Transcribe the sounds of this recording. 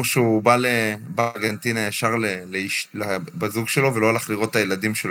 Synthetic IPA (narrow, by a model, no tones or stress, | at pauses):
ʁʃeubalebaʁɡent̪inajaʃaʁleleiʃlebazuɡʃelo̞velo̞alaχliʁo̞tajelad̪imʃel